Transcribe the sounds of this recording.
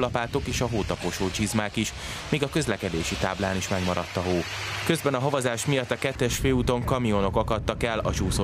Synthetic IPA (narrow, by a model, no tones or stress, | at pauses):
lɒpaːt̪o̞keːʃɒɦoːt̪ɒpoʃoːt͡ʃizmaːkiʃ | miːɡɒkø̞zlɛkɛd̪eːʃit̪aːblaːniʃmɛɡmɒɾɒt̪ːɒɦoː | kø̞zbɛnɒɦɒvɒzaːʃmijɒt̪ːɒkɛt̪ːɛʃfeːut̪o̞ŋkɒmionokɒkɒt̪ːɒkɛlɒt͡ʃuːso